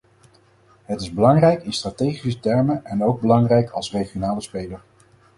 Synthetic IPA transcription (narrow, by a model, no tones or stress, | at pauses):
ɦətɪzbəlɑŋrɛjkɪnstraːtejχisətɛɹməʔɛnowɡ̚bəlɑŋrɛjkʰɑ̰lˠsrejχijonaːləspejləɹ